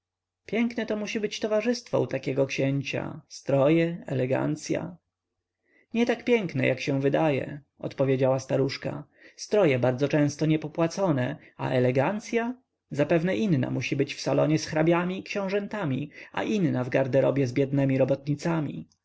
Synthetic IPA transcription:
pʲjɛŋknɛt̪ɔmuɕibɘt͡ɕt̪ɔvaʐɘst̪fɔ̰ut̪akʲɛɡɔkɕɛɲt͡ɕa̰st̪ɾɔjɛɛ̰lɛɡa̰nt̪sʲja̰ | ɲɛt̪akpʲjɛŋknɛjʔakɕɛ̃vɘd̪ajɛ̰ | ɔ̰t̪pɔvʲjed͡ʑawast̪aɾuʂka̰ | st̪ɾɔjɛbaɾd̪zɔt͡ʂɛ̃w̃st̪ɔɲɛpɔpwat̪sɔnɛ | a̰ʔɛlɛɡant̪sʲja | zapɛvnɛʔinːa̰muɕibɘt͡ɕfsalɔɲɛsxɾabʲjamʲiːkɕɛ̃w̃ʐɛnt̪amʲia̰ʔinnavɡaɾd̪ɛɾɔbʲjɛzbʲjɛd̪nɛmʲiɾɔbɔt̪ɲit̪samʲḭ

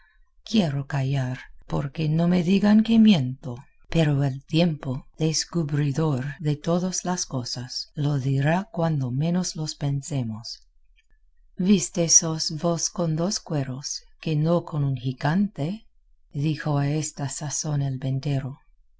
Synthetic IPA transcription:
kjeɾokajaɾpo̰ɾkenome̞ðiɣaŋkemjent̪o | peɾoelt̪jempoðeskuβɾiðoɾðe̞t̪oðoslaskosasloðiɾakwand̪omẽ̞noslospensemos | βist̪esosvoskond̪oskwe̞ɾoskenokʰo̞nunxiɣant̪e | ðixoaest̪asaso̞nelbent̪e̞ɾo

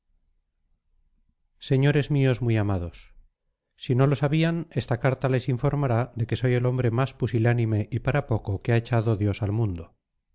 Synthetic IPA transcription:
se̞ɲo̞ɾe̞zmio̞zmujamað̞o̞sː | ino̞lo̞saβiane̞st̪akaɾt̪ale̞siɱfo̞ɾmaɾaðe̞ke̞so̞je̞lo̞mbɾe̞maspusilanĩme̞ʔipaɾapo̞ko̞keaet͡ʃaðoðjo̞salmũnd̪o

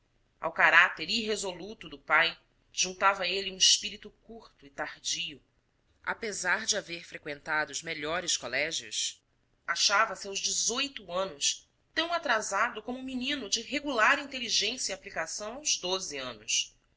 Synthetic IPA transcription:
a̰wkaɾat̪eɾiɦezolut̪ʊd̪ʊpaj | ʒ̥ũnt̪avɐeliũiʃpiɾit̪ʊkuɾt̪ʊit̪aɾd͡ʒijʊ | a̰pezaɾd͡ʒɪaveɾfɾekwẽnt̪ad̪ʊʊzmeʎɔɾɪskolɛʒjʊ̰s | aʃavɐsawʒd͡ʒɪzojt̪uɐ̃nʊs | t̪ɐ̃w̃at̪ɾazad̪ʊkõmʊminĩnʊd͡ʒɪɦeɡulaɾĩnt̪eliʒẽsjɐiaplikasɐ̃w̃awzd̪ozɪɐ̰̃nʊs

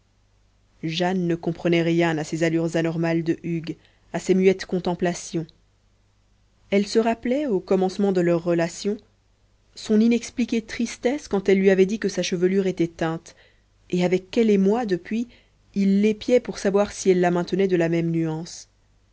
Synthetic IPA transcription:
ʒanːəkɔ̃pχənɛʁjɛ̃nasezalyʁzanɔʁmald̪əʔyɡ | asemyɛt̪kɔ̃t̪ɑ̃plasjɔ̃ | ɛlsəʁaplɛokɔmɑ̃smɑ̃d̪əlœʁːəlasjɔ̃ | sɔ̃ninɛksplikʲet̪χist̪ɛskɑ̃t̪ɛlːɥiavɛd̪ikəsaʃəvəlyʁet̪ɛt̪ɛ̃t̪ | eavɛkːɛlemwad̪əpɥi | ilːepjɛpuʁsavwaʁsiɛlːamɛ̃t̪ənɛd̪əlamɛmnyɑ̃s

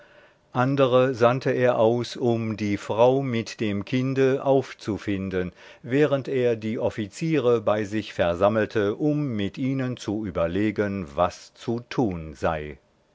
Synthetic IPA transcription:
ʔandəʁəzantəʔeːɐʔaʊsʊmdiːfʁ̥aʊmɪtd̥eːmkʰɪndəʔaʊft͡sufɪndən | vɛːʁəntʔeːɐdiːʔɔfit͡siːʁəbaɪzɪçfɛɐzaml̩tʰəʔʊmːɪtʔiːnənt͡suyːbɐleːɡənvast͡sutʰuːnzaɪ

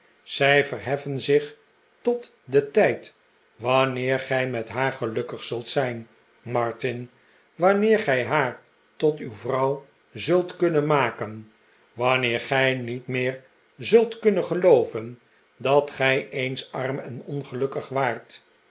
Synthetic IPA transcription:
z̥ɛjvərɦɛfənzɪχ | tɔt | dətɛjt | ʋɑnɪːɹχɛjmɛtɦaːɹχəlɵkəχsɵlˠtsɛjn | mɑɹtɪn | ʋɑnɪːɹχɛjɦaːɹ | tɔtywvrɑw | zɵlˠtkɵnənmaːkən | ʋɑnɪːɹχɛjnitmɪːɹ | zɵlˠtkɵnəχəlowvən | dɑtχɛjejnsɑrmɛnɔnχəlɵkəχʋaːɹt

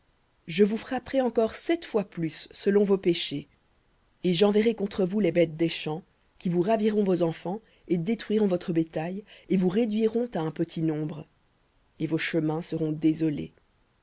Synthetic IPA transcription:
ʒəvufχapχɛɑ̃kɔʁsɛt̪fwaplysːəlɔ̃vopeʃe | eʒɑ̃vɛʁekɔ̃t̪χəvulebɛt̪̚d̪eʃɑ̃ | kʲivuʁaviʁɔ̃vozɑ̃fɑ̃ | ed̪et̪χɥiʁɔ̃vɔt̪χəbet̪ajevuʁed̪ɥiʁɔ̃t̪aɛ̃pət̪ʰinɔ̃bʁ | evoʃəmɛ̃səʁɔ̃d̪ezɔlḛ

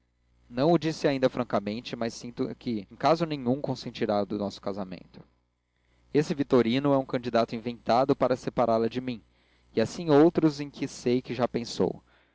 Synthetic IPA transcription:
nɐ̃w̃ʊd͡ʒisɪaĩnd̪ɐfɾɐ̃kɐmẽnt͡ʃɪmajsːĩnt̪ʊkɪẽkazʊnẽɲũŋkõsẽnt͡ʃiɾad̪ʊnɔsʊ̥kazamḛ̃nt̪ʊ̥ | esɪvit̪oɾinʊɛũkɐ̃nd͡ʒid̪at̪ʊĩvẽnt̪ad̪ʊpaɾɐsepaɾʔalɐd͡ʒɪmĩ | ɪasĩowt̪ɾʊzẽj̃kʰɪsejkɪʒapẽso̰w

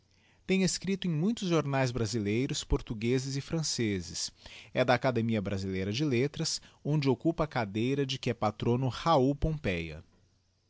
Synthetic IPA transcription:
t̪ẽj̃eskɾit̪ʊẽj̃mũj̃t̪ʊzʒoɾnajzbɾazilejɾʊspoɾt̪uɡezɪzɪfɾɐ̃sezɪsɛd̪ɐːkad̪emiɐbɾazilejɾɐd͡ʒɪlet̪ɾɐsõnd͡ʒɪokupɐːkad̪ejɾɐd͡ʒɪkɪɛpat̪ɾõnʊhaupõpɛjɐ̰

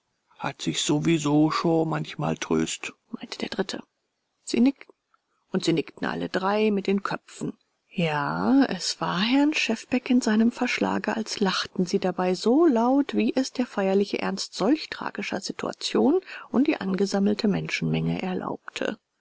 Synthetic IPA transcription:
ha̰tz̥ɪçz̥ovizoːʃoːnmançma̰ːltʁ̥ø̰ːstmaɪntəd̥eːɐdʁɪtʰə | z̥ḭːnɪktn̩ | ʔʊntz̥iːnɪktn̩ʔa̰lə̰dʁaɪmɪt̚d̥eːnkʰœpp͡fn̩ | jaːɛ̰sv̥aːɐɦɛɐnʃɛfb̥ɛkɪnzaɪnəmfɛɐʃla̰ːɡəʔalslaχtn̩ziːdabaɪzolaʊtv̥iːʔɛsd̥eːɐfaɪɐlɪçəʔɛ̰ɐnstz̥ɔlçtʁ̥a̰ːɡɪʃɐ̰zitʰṵa̰t͡sjoːnʔʊnt̚d̥iːʔanɡəzaml̩tʰəmɛnʃn̩mɛŋəʔɛɐlʔa̰ʊptʰə̰

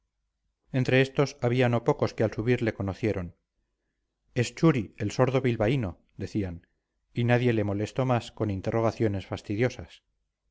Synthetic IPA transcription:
e̞nt̪ɾe̞est̪o̞saβiano̞po̞ko̞skealsuβiɾle̞ko̞noθje̞ɾo̞n | est͡ʃuɾielso̞ɾðo̞βilβaino̞ | d̪e̞θian | inaðje̞le̞mo̞le̞st̪o̞masko̞nint̪erʔo̞ɣ̞aθjo̞ne̞sfast̪iðjo̞sas

